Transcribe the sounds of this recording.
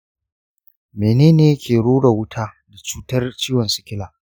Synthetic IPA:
meː˨neː˦neː˦kʲeː˨ɽuː˦ɽa˨wʊ˦tʰaː˦ | da˨t͡ʃuː˦tɐ˦rt͡ʃiː˦wɐ˨nsʊ̥˦kʲɪ˦laː˨

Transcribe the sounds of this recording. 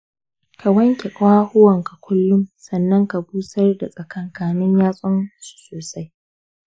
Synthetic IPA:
ka˨wɐ˦ŋkʲe˨kʷʼaː˦hʊ˦wɐ˨ŋka˨kʷʊ˦lːʊ˦msɐ˨nːɐ˦ŋka˨buː˦sɐ˦rda̰˨sʼɐ˨kɐ˨ŋkaː˨nɪ˦ɲjaː˦sʼɔ˦nsu̥˨soː˨sa˦j

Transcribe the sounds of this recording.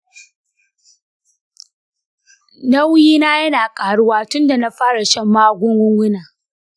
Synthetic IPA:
nɐ˦wjiː˦naː˦jɐ˦naː˨kʼaː˨ɽʊ˦waː˦tʊ˦nda˨na˦ɸaː˦ɽa˨ʃɐ˦mːaː˦ɡʷʊ˦ŋɡʷʊ˦ŋɡʷʊ˦naː˨

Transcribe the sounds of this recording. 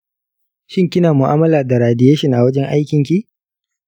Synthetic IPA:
ʃɪ˦ŋkʲɪ˦naː˨mʊ˨ʔaː˦mɐ˦laː˨da˨ɾaː˨dɪ˦jeː˦ʃɪ˦ŋʔa˨wɐ˦d͡ʒɛ˦ŋʔa˦jkʲɪ˨ŋkʲi˦

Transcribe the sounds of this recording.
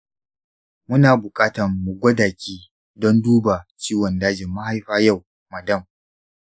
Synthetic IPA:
mʊ˦naː˨bʊ˨kʼaː˦tɐ˨rmʊ˨ɡʷɐ˦daː˨kʲiː˦ | dɔ˦nduː˦ba˨t͡ʃiː˦wɔ˨ndaː˦d͡ʒɪ˨mːa˦ha˦jɸaː˦ja˦˨w | mɐ˨dɐ˦˨m

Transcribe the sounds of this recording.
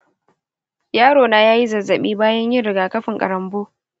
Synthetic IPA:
jaː˦ɽoː˨naː˨jaː˦ji˦zɐ˨zːɐ˨ɓḭː˦baː˦jɐ˦ɲjɪ˦ɾɪ˨ɡaː˨kɐ˦ɸɪ˨ŋkʼɐ̰˨ɾɐ˨mboː˦

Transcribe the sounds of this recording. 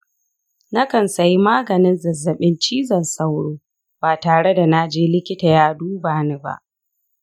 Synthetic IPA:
na˦kɐ˨nsɐ˨ji˦maː˦ɡɐ˨nɪ˦nzɐ˨zːɐ˨ɓɪ˦nt͡ʃiː˦zɐ˨nsa˦wɽoː˦ | baː˨taː˨ɽe˦da˨na˦d͡ʒeː˦lɪ˦kʲɪ˦ta˨jaː˦duː˦baː˨ne˦ba̰˦ʔ

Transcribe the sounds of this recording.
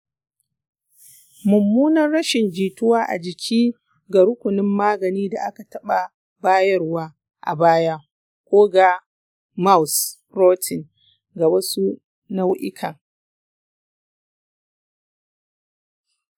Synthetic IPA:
mʊ˨mːuː˦nɐ˦rːɐ˦ʃɪ˨nd͡ʒiː˨tʊ˦waː˦ʔa̰˨d͡ʒɪ˨kʲʰiː˦ | ɡa˨ɾʊ˦kʷʊ˨nɪ˦mːaː˦ɡɐ˨niː˦da˨ʔa˦ka˨tɐ˦ɓa˨ | baː˦jɐ˦rwaː˦ | ʔa̰˨baː˦ja˦ | kʷoː˦ɡa˨ | ma˦ws | ɾoː˦tʰɪ˨ŋ | ɡa˨bɐ˦su˦ | na˦wʔɪ̰˦kʰɐ˨ŋ

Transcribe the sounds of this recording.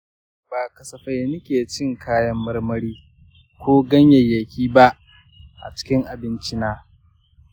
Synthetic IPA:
b̥aː˨kɐ˨sɐ˨ɸa˦jnɪ˦kʲeː˨t͡ʃɪ˦ŋkʰaː˦jɐ˦mːɐ˦rmɐ˦ɽiː˦ | kʷoː˦ɡɐ˦ɲjɐ˨jːɐ˨kʲiː˦ba˦ʔ | ʔa̰˨t͡ʃɪ̥˦kʲɪ˦ŋʔa˨bɪ˦nt͡ʃi˦naː˦

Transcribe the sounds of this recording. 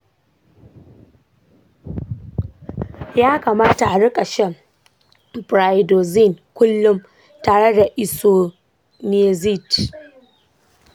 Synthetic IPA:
jaː˦kaː˨maː˦ta˨ʔa˨ɽʊ˦kʼa˨ʃɛ˦ | bɾa˨jdo˨zi˦˨nkʷʊ˦lːʊ˦m | taː˨ɽe˦da˨ʔɪ˨so˨ | ne˦zi˦˨t

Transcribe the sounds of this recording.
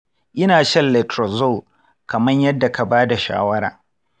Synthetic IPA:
ʔɪ˦naː˨ʃɐ˦nlɛ˨tɾɔ˨zo˦˨ | kɐ˨mɐ˦ɲjɐ˦dːa˨ka˨baː˦da˨ʃa̰ː˦wɐ˦ɾa̰ː˨

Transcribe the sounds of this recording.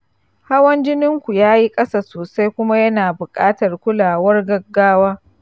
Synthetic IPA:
ha˦wɐ˦nd͡ʒɪ˦nɪ˦ŋkʷu˨jaː˦ji˦kʼɐ˦saː˨soː˨sa˦jkʷʊ˦ma˦jɐ˦naː˨bʊ˨kʼaː˦tɐ˨rkʷʊ˦laː˨wɐ˦rɡɐ˦ɡːaː˦waː˦

